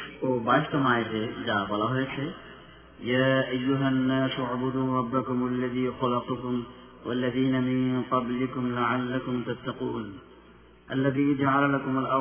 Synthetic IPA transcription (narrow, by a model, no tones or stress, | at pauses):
oːbaɪsʈ̪omaːjd͡ʒed͡ʒaːbɔlaɦɔjt͡ʃʰe | jaːʔɐjːʊɦɐnːaːsaʕbʊd̪uːɾˤɑbːɐkʊmɐlːɐðiːxɐlɐqʊkʊm | wɐlːɐðiːnɐmɪ̃nqɑblɪkʊmlaʕalːɐkʊmt̪ɐt̪ːɐquːn | ʔɐ̰lːɐðiːd͡ʒaʕalɐlɐkʊmʊlɐ